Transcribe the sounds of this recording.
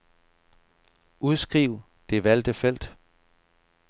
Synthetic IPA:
uðˠsɡ̥ʁiʊ̰ | d̥e̝ʋæl̰d̥əfel̰d̥

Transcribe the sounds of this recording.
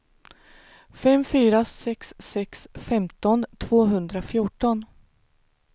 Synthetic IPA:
fɛmfyːɾasɛksːɛksfɛmt̪ɔnt̪ʰv̥oːɦɵnd̪ɾafjʊʈɔn

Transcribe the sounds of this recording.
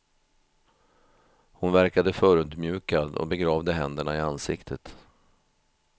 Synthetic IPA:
hʊnvæɾkad̪əfœːɾɵd̪mjʉ̟ːkad̪ɔ̰bɛɡɾɑːvd̪əɦɛnd̪əɳaɪansɪkt̪ʰət̪

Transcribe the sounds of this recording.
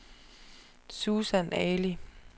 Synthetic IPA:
suːsænɛːli

